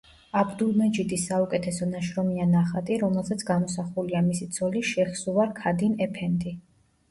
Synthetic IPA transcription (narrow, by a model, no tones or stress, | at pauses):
abd̪ulˠmɛd͡ʒid̪isaukʼɛt̪ʰɛsɔnaʃɾɔmianaχat̪ʼiɾɔmɛlˠzat̪sʰɡamɔsaχuliamisit̪sʰɔliʃɛχsuvaɾkʰad̪inɛpʰɛnt̪ʼi